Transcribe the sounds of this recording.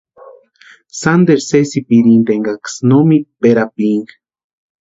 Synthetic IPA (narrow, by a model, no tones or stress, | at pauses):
sand̪eɾsesipiɾint̪eŋɡaksnomipeɾapiŋɡ